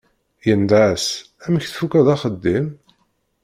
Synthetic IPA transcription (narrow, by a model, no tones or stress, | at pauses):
jənd̪as | æməçθfukæðɑχəd̪ːim